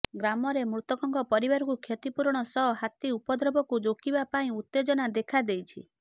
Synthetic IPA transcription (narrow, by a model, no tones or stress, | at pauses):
ɡɾamɔɾemɾut̪ɔkɔŋkɔpɔɾibaɾɔkukʰjɔt̪ipuɾɔɽ̃ɔsɔɦɔhat̪iupɔd̪ʱɾɔbɔkud͡ʒokibapaĩut̪ːed͡ʒɔnad̪ekʰad̪ejt͡ʃʰḭ